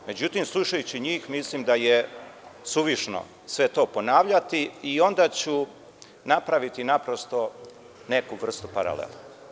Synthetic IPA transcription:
me̞d͡ʑut̪iːmslˠuʃajut͡ɕiɲiːxmislimd̪aje | suʋiʃno̰ | sʋe̞t̪o̞ːpo̞naːʋʎat̪iio̞nd̪aːt͡ɕu | napɾaʋit̪inapɾo̞st̪o̞ | ne̞kuʋr̩st̪upa̰ɾa̰lḛla

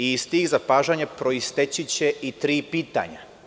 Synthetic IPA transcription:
iːst̪iːɣzapaːʒaɲapɾoist̪et͡ɕit͡ɕe̞it̪ɾiːpiːt̪a̰ɲa

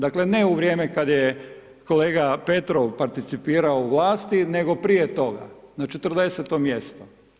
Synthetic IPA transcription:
d̪akle̞neuʋɾjeːmekad̪je | ko̞le̞ːɡape̞t̪ɾoʋpaɾt̪it̪sipiːɾaouʋlˠaːst̪ineɡo̞pɾijet̪o̞ɡa̰nat͡ʃet̪r̩d̪e̞set̪omje̞st̪o

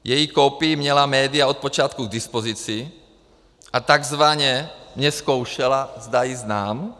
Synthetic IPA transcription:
jɛjikɔpiimɲɛlamɛːd̪iaɔt̪̚pɔt͡ʃɪat̪kuɡ̚d̪ispɔzit͡si | ʔat̪aɡzʋaɲɛɲɛskɔʊʃɛlazd̪ajiznaːm

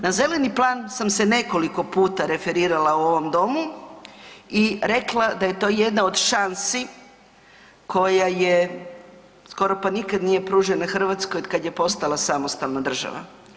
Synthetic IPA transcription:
naze̞le̞niplˠaːnsamse̞ne̞ko̞liko̞puːt̪aɾe̞fe̞ɾiːɾalauo̞ʋo̞md̪o̞mu | iɾe̞klˠad̪aje̞t̪o̞ːje̞d̪nao̞d̪ʃansi | kʰo̞jaje | sko̞ɾo̞panikad̪nije̞pɾuːʒenaxr̩ʋat̪skojkad̪jepo̞st̪alˠasamo̞st̪alˠnad̪r̩ʒa̰ʋa̰

